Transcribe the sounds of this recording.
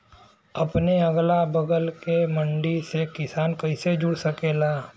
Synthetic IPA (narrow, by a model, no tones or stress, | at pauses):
ɐpneɐɡlabəɡəlkemə̃ɳɖisekɪsaːnkɐɪsed͡ʒʊɽsɐkeːlaː